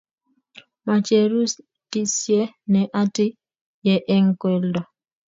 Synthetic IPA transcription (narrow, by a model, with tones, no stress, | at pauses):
ma˨t͡ʃe˨ɾu˦s | ti˦sje˦nɛ˨ʔa˦ti˦ | jɛ˨ʔɛ˦ŋkwe˨ldɔ˨